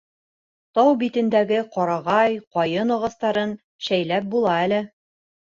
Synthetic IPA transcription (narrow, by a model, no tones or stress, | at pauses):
t̪ɑwbit̪ɘ̆nd̪æɡɘqɒɾɑʁɑjqɒjɤnŏʁɤ̆st̪ɑɾɤn | ʃæjlæp̚bulˠɑælɘ